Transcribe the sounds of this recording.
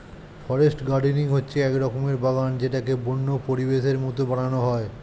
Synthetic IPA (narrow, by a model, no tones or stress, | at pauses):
fʰɔɾesʈɡaɾɖiniŋɦotːɕʰeɛkɾɔkʰomeɾbaɡand͡ʑeʈakebonːopoɾibeʃeɾmɔt̪obaɽ̃anoɦɔe